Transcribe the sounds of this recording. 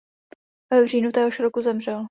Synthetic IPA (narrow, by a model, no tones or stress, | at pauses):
vɛvr̝iːnut̪ɛːɦoʃɾokuzɛmrɛl